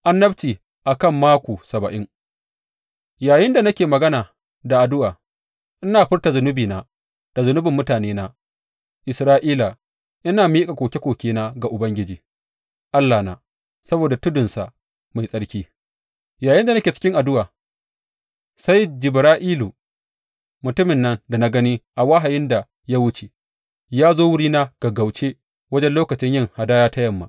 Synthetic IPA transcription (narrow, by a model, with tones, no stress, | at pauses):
ʔa˦nːɐ˦ɸt͡ʃiː˨ | ʔa˨kɐ˦˨mːaː˦kʷoː˨sɐ˨bɐ˨ʔɪ˦ŋ | jaː˨jɪ˦nda˨nɐ˦kʲeː˨mɐ˨ɡɐ˦naː˨ | da˨ʔa˨dʊ˦waː˨ | ʔɪ˦naː˨ɸɪ˦rta˨zʊ˨nʊ˦biː˨naː˦ | d̥a˨zʊ˨˦nʊ˦bɪ˨mːʊ˦taː˨neː˦na˦ | ʔɪ˨sɾaː˦ʔiː˦la˨ | ʔɪ˦naː˨miː˦kʼa˨kʷoː˨kʲe˦kʷoː˨kʲeː˦naː˦ɡa˨ʔʊ˨bɐ˦ŋɡʲɪ˦d͡ʒiː˨ | ʔa˦lːaː˨na̰ː˦ | sɐ˦boː˨da˨tʊ˦dʊ˨nsa˨ | ma˨jsʼɐ˦ɽkʲiː˦ | jaː˨jɪ˦nda˨na˦kʲeː˨t͡ʃɪ̥˦kʲɪ˦ŋʔa˨dʊ˦waː˨ | sa˦jd͡ʒɪ˨bɾaː˦ʔiː˦lu˨ | mʊ˨tʊ˦mɪ˨nːɐ˦nda˨na˦ɡɐ˦niː˦ʔa˨wa˦ɦa˨jɪ˦nda˨ | ja˦wʊ˦t͡ʃe˨ | jaː˦zoː˦wʊ˦ɽiː˦naː˦ɡ̥a˨ɡa˨wt͡ʃeː˦ | wɐ˦d͡ʒɛ˦nloː˦kɐ˨t͡ʃɪ˦ɲjɪ˦˨ŋha˨daː˦jaː˦ta˦jɐ˨mːa̰˨ʔ